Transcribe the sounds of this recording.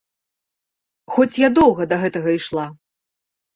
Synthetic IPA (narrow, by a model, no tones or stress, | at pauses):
xɔt͡sʲjad̪ɔwɣɐd̪ɐɣɛt̪ɐɣɐiʂlˠa